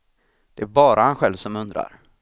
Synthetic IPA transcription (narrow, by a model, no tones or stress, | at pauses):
d̪̥ɛæɾbɑːɾʔahanɧɛlvsɔmɵnd̪ɾa̰ɾ